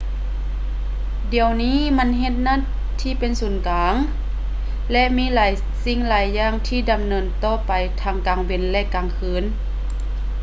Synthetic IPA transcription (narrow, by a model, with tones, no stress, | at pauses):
di˨əwniː˧˥˨ma˧˥˨nɦe˧t̪̚na˧˥˨t̪ | t̪ʰːiː˧˥˨pe˨nsuː˨˩nkaː˨˧˦ŋ | lɛ˧˥ʔmiː˧˥˨laː˨˦j | si˧˥˩ŋlaː˨˦jːaː˧˥˨ŋt̪ʰiː˧˩da˨˩mnɤː˧˥nt̪ɔː˧˩˨pa˨˩jt̪ʰaː˧˩ŋkaː˨˩ŋwe˨nlɛ˧˥ʔkaː˨ŋkʰɯː˨˧˥n